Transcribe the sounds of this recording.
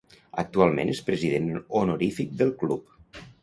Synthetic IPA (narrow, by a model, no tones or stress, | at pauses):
ək̚t̪ualˠmḛ̃nʔespɾəziðenonoɾifik̚d̪əlˠklup